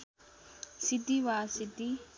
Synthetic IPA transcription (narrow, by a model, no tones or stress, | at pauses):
sit̪iʋasit̪i